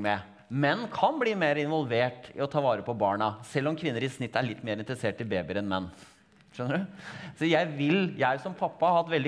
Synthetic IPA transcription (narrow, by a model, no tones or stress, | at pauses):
mɛ | mɛnːkʰɑnbliːmeːɾɪnʋɔlʋeːʈɪ̰ɔt̪ʰɑːʋɑːɾəpʰɔbɑːɳɑsɛlːɔmkʰʋɪnːəɾɪsnɪt̪ːæɭɪt̪ːmeːɾɪnt̪ɾəseːʈːɪlbeːbɪɾɛnmɛnː | ʂœnːəɖʉsɔjæɪʋɪljæɪsɔmpʰɑpːɑhɑhɑt̪ːʋɛld̪ɪ